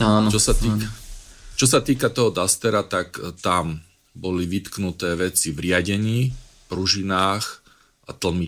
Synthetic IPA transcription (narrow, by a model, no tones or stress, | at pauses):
aːnɔt͡ʃɔsat̪i | t͡ʃɔs̬at̪iːkat̪ɔɦɔd̪ast̪ɛɾat̪akt̪am | bɔliʋit̪knut̪ɛːʋɛt͡siʋɾɪaɟɛɲiːpɾuʒinaːx | at̪l̩ˠmi